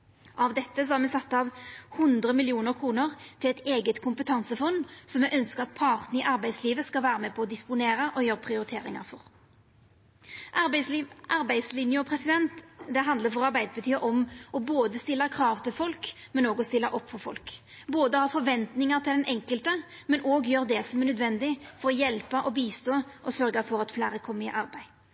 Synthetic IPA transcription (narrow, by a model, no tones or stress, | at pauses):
ʔɑʋd̪ɛt̪ːəsɔhɑʁmɛsɑt̪ːɑʋhʊnd̪ɾəmɪlɪuːnəɾkʰʁuːnəʁt̪ʰɪlɛt̪eːɡət̪kʰʊmpət̪ʰɑnsəfɔnsɔmjɛʔœnskəʁɑt̪̚pʰɑʁt̪nəɪʔɑɾbæɪsliːʋəskɑlʋæːɾəmɛpʰɔɔd̪ɪspʊneːɾəʔɔjøːɾəpʰʁɪʊɾɪt̪ʰeːɾɪŋɑ̰ɾfɔ̰ʁ | ʔɑbslʔɑɾbæɪslɪnjəɔpʰɾɛsɪd̪ɛnt̪d̪ɛɦɑnd̪ləɾfɔʁɑɾbæɪd̪əbət̪ʰyːəʔɔmʔɔboːd̪əst̪ɪlːəkʰɾɑːʋt̪ʰɪlfɔlkmɛnoːɡɔst̪ɪlːəʔɔpːfɔɾfɔ̰lk | boːd̪əhɑːɾfɔɾʋɛnt̪nɪŋəʁt̪ʰɪld̪ɛnʔɛŋkəlt̪ə | mɛnʔoːɡjøːɾd̪ɛsɔmɛnœd̪ʋɛnd̪ɪfɔɾɔjɛlpəʔɔbiːst̪oːʔɔsœɾɡəfɔɾɑt̪flæːɾəkʰɔmːəɪ̰ʔɑɾbæɪ